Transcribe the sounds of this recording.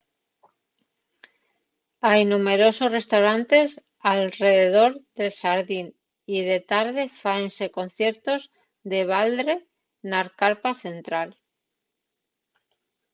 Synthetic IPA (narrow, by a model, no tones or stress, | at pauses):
ajnume̞ɾo̞so̞sre̞st̪awɾant̪e̞s | alre̞ðe̞ð̞o̞ɾðe̞lsaɾðin | ið̞e̞t̪aɾðe̞faense̞ko̞n̟θje̞ɾt̪o̞z | ðe̞β̞ald̪ɾe̞ | naɾkaɾpaθe̞nt̪ɾal